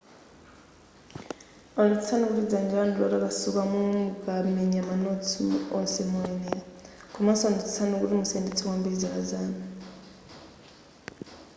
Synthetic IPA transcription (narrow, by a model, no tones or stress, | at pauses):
ɔnit͡sʰi̥t͡sʰanukuɾid͡zand͡ʒanɾɔɾakasukamumuɡamɛɲamanotʰuɔsɛmɔɛnɛlakʰumasɔnɔt͡si̥t͡sʰanukuɾimusɛndit͡sʰɔkwambiɾid͡zakazaːna